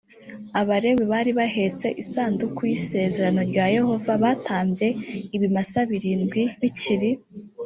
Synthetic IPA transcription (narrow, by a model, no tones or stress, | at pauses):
aβaɾe̞weβaːɾiβahe̞t͡se̞ʔisaːndukujise̞ːze̞ɾano̞ɾɟaːje̞ho̞vaβatʰaːmbje̞iβimasaβiɾiːnɡwiβiciɾi